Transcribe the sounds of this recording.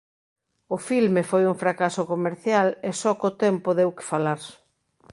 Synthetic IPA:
ʊfilmefojuŋfɾakasokomeɾθjalesɔkot̪ɛmpoðewkɪ̥falaɾ

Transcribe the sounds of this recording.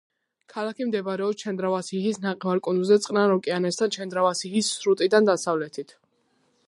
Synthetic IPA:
kʰalakʰimd̪ɛbaɾɛɔpst͡ʃʰɛnd̪ɾavasihisnaqʼɛvaɾkʼund̪uzɛt̪sʼqʼnaɾɔkʼianɛst̪ʰant͡ʃʰɛnd̪ɾavasihisːɾut̪ʼid̪and̪asavlɛt̪ʰit̪ʰ

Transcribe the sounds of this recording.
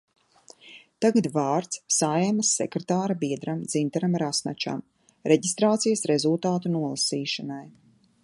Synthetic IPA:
t̪aɡad̪vaːɾt̪ssajamasːɛkɾet̪aːɾabiɛd̪ɾamd̪zint̪aɾamɾasna̰t͡ʃa̰m | ɾeɟist̪ɾaːt̪sijɐsɾezulˠt̪aːt̪unuɔlˠasiːʃanaj

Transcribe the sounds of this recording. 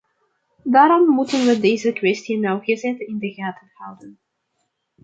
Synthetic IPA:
daːɾɔmːutənʋədejzəkʋɛstinɔwɣəzɛtɪndəɣaːtəhawdən

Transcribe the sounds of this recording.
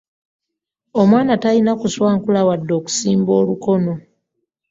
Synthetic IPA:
omwaːnatainakuswaːŋkulawadːoːku̥siːmbo̞ːluko̞no̞

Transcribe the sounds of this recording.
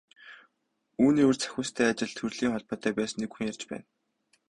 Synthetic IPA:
uːniːurt͡sʰæ̥xʲʊːst̪ʰæːat͡ɕɪ̆ɮt̪ʰɵrɮ̥iːŋχɔɮpɔːt̪ʰːœːpæːsə̆nːekxuŋjart͡ɕpæ̰ːn

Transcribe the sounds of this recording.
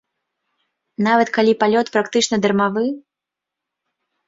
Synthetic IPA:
navɐt̪kalʲipalʲɔt̪pɾakt̪ɨt͡ʂnɐd̪ɐrmavɨ

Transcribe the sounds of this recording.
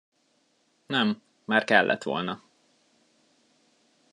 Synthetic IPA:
nɛmː | aːrkɛlːʔɛ̰t̪ʋo̞̰lnɒ

